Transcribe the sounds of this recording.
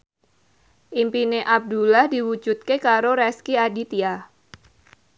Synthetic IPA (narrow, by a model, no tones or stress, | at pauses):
ʔimpineʔab̚dulahdiwud͡ʒut̪̚kekaɾoɾɛskiadit̪ia